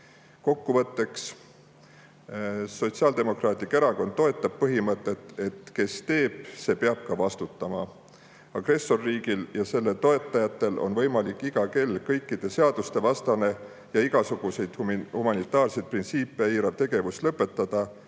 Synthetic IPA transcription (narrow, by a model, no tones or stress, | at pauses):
ko̞kːuvɤt̪ːe̞ks | so̞t̪siɑld̪e̞mo̞krɑːt̪ʲike̞ɾɑko̞n̚t̪ːo̞e̞t̪ːˑɑb̥̚pɤɦimɤt̪ˑːe̞t̪ˑe̞t̪ke̞st̪e̞ːb̥̚se̞ːpeɑb̥̚kɑvɑst̪ut̪ːˑɑmɑ | ɑɡ̥re̞so̞rːiːɡiljɑse̞lːe̞t̪o̞e̞t̪ˑːɑjɑt̪ːˑe̞lʔo̞̰nvɤ̞jmɑlikːˑiɡ̥ɑke̞lkɤjkːˑid̪̥e̞se̞ɑd̪̥ust̪e̞vɑst̪ɑne̞ | jɑiɡ̥ɑsuɡ̥use̞jd̪̥hhumɑnit̪ːˑɑːrsejt̪̚print̪siːpˑːeiːɾɑt̪e̞ɡe̞vust̪lɤpːe̞t̪ːɑd̪̥ɑ